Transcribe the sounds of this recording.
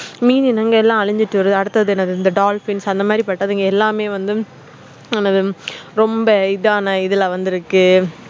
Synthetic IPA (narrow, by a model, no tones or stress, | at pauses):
miːninɐŋɡɐɛlːãːɐɻɪɲd͡ʒɪʈːɯʋɐɾɯðɯɐɽɯt̪ːɐðɯɛnɐðɯnd̪ɐɖaːlfɪnsɐnd̪ɐmaːd̪ɾipɐʈːɐðɐŋɡɐɛlːaːmeːʋɐnd̪ɯ | ɛnɐðɯɾɔmbɐɪðaːnɐɪðɯlɐʋɐnd̪ɯɪɾɯkːɯ